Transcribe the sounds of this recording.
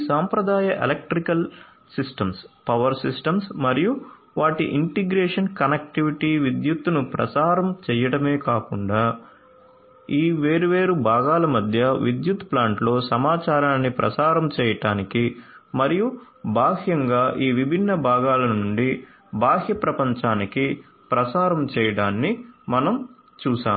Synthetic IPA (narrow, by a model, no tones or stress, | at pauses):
saːmpɾɐd̪aːjɐʔelɐk̚ʈɾikɐl | sisʈɐmspɐʋɐɾsisʈɐmsmɐɾiju | ʋaːʈḭʔiɳʈiɡɾeːʂɐnkɐnek̚ʈiʋiʈiːʋid̪jut̪ːunupɾɐ̰saːɾɐmt͡ʃɛːjɐɽɐme̞ːkaːkuɳɖaː | iːʋe̞ːɾuʋe̞ːɾubʱaːɡaːlɐmɐd̪ʱjɐʋid̪jut̪plaːɳʈlo̞ːsɐmaːt͡ʃaːɾaːnːipɾɐ̰saːɾɐmt͡ʃɛːjɐʈaːnikimɐɾiju | bʱaːɦjɐŋɡaːʔiːʋibʱinːɐbʱaːɡaːlɐnuɳɖi | bʱaːɦjɐpɾɐpɐɲt͡ʃaːniki | pɾɐsaːɾɐmt͡ʃɛːjɐɽaːnːimɐnɐm | t͡ʃuːsa̰ːm